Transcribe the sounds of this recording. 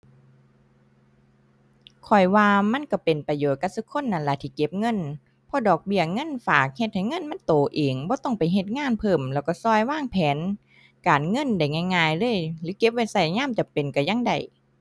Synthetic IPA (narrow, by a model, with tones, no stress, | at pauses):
kʰɔ˨˩jwaː˧ma˧˥˨nka˧˩pe˨˩npa˧joː˨˩t̪̚ka˧˩sɯ˧˦kʰo˧˥˨nːa˧˨˩nla˧˩t̪ʰiː˧˩ke˧˥p̚ŋɤ˧˥˨n | pʰɔ˧˦dɔː˨˩k̚bi˧˩ɐŋɤ˧˥˨nfaː˨˩k̚he˧t̪̚ha˨˩jŋɤ˧˥˨nma˧˥˨nt̪oː˨˩ʔeː˨˩ŋbɔː˧˦t̪ɔ˧˩˨ŋpa˨˩jɦe˧t̪̚ŋaː˧˥˨npʰɤː˧˩mlɛː˧˩wkɔ˧˩sɔː˧˩jwaː˧˥˨ŋpʰɛː˨˦n | kaː˨nŋɤ˧˥˨nda˨˩jŋaː˧˩˨jŋaː˧˩jlɤː˧˥˨jlɯː˨˦ke˧˥p̚wa˧˩jsa˧˩jɲaː˧˥˨mt͡ɕa˨˩pe˨nka˧˩ja˧˨ŋda̰˨˩j